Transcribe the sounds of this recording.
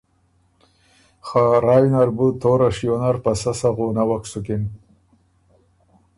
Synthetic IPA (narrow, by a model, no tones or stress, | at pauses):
xaɾɑːjinaɾbut̪oːɾaʂijonaɾpasasaɣonawaksukɪn